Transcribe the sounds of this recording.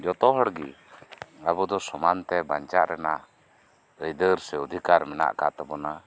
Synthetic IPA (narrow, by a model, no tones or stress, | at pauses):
d͡ʒɔt̪ɔɦɔɽɡi | abɔd̪ɔsɔmant̪ɛbaɲt͡ʃaʔɾɛnaʔ | əjd̪əɾsɛud̪ʱikaɾmɛna̰ʔkat̪ɛbɔna